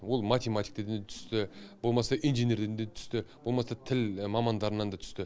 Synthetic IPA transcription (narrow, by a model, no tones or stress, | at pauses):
wo̞lˠmat̪ʲe̞mat̪ʲi̥jk̚t̪ed̪nd̪t̪ʰʏ̥st̪ɪb̥olˠmɑsɑʔijnʒenʲe̞ɾd̪end̪et̪ʰʏst̪ɪb̥o̞lˠmɑsɑt̪ʰɪlmɑmɑnd̪ɑɾənɑnd̪ɑt̪ʰʏ̥st̪ɪ